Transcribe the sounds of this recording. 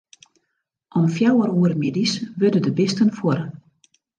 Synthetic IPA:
ʔɔmfjawəɾuːərmɪdisʋødədəbɪstənfwoɾ

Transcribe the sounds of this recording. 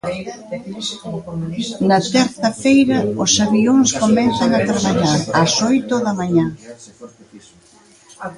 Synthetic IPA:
nɐt̪ɛɾθɐfejɾɐʊsaβioŋskomɛnθɐŋat̪ɾaβaɲaɾɐsojt̪oðɐmaɲa

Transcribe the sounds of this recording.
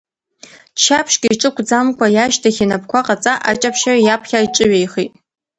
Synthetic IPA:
t͡ʃʰapʰʂɡʲiiʈ͡ʂʼɨkʷʰd͡zamkʷajaʃtʰaχʲinapʰkʷʰaqʼat͡sʼaʔat͡ʃʼapʰʃarajapʰχʲaiʈ͡ʂʼɨɥejχitʼ

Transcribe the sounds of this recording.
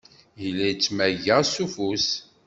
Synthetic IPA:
jəlːæjt͡sːmæʝəsufus

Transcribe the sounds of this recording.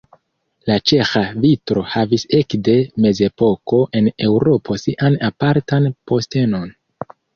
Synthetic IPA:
lat͡ʃe̞xavitɾo̞havise̞kde̞me̞ze̞po̞ko̞ʔe̞ne̞wɾo̞pʰo̞siʔanapaɾtanpo̞ste̞no̞n

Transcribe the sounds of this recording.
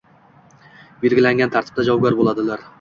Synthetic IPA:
be̞lɡʲɪlaŋɡʲant̪ʰaɾt̪ʰɪ̥b̚d̪ad͡ʒɒwɡʲaɾbolˠad̪ɪlaɾ

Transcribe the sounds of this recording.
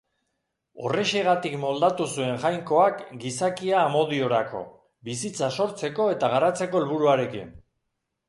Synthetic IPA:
o̞̰re̞ʃe̞ɣat̪ikmo̞ld̪at̪usue̞ŋʝajŋko̞akɡisakiaːmo̞ðio̞ɾako̞̰ | bisit͡saso̞ɾt͡se̞ko̞e̞t̪aɣ̞aɾat͡se̞ko̞elβuɾuaɾe̞kḭn

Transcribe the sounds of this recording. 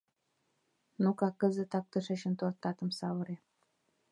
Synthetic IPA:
nukɑkːəzə̆t̪ɑk̚t̪əʃĕt͡ɕə̆nt̪ort̪ːɑt̪ə̆msɑwə̆ɾe

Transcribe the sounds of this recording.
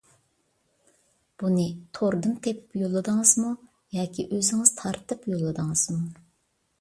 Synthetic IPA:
b̥unɨt̪ʰoɾd̪ɨmt̪ʰepjolˠːɨd̪ɨŋəzmu | jɑːkʲʰiʔøzɪŋɨz̥t̪ʰɑɾt̪ɨpjolˠːɨd̪ɨŋɨz̥mu

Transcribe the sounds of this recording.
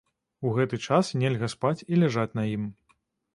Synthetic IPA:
uɣɛt̪ɨt͡ʂasnʲɛlʲɣɐspat͡sʲilʲɛʐat͡sʲnɐjim

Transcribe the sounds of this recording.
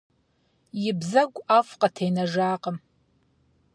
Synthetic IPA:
jɪbzaɡʷʼafqʼatʰejnaʐaːqʼəm

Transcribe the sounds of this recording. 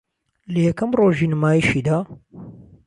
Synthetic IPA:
lɐjɛkɐmroːʒiːnɨmaːjiʃiːd̪aː

